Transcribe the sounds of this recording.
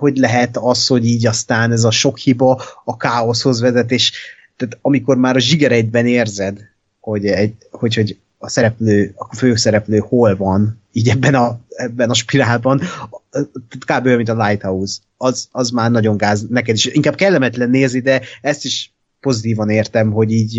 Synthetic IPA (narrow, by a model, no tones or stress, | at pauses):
ho̞ɟlɛɦɛt̪ɒsho̞ɟiːɟɒst̪aːnɛzɒʃo̞khibɒːkaːo̞sho̞zʋɛzɛt̪eːʃ | t̪aːt̪ɒmiko̞rmaːɾɒʒiɡɛɾɛɟbɛneːrzɛd̪ | ho̞ɟɛho̞cho̞ɟ | ɒsɛɾɛpløːɒføːsɛɾɛpløːho̞lvɒn | iːɟɛbːɛnɒɛbːɛnɒʃpilaːlbɒn | t̪aːt̪kaːbøːmint̪ɒlajt̪ɒuz | ɒzɒzmaːrnɒɟo̞ŋɡaːznɛkɛd̪iʃiŋkaːb̚kɛlːɛmɛt̪lɛnːeːznid̪ɛɛst̪iʃ | po̞zit̪iːvɒneːrt̪ɛmɦo̞ɟiːɟ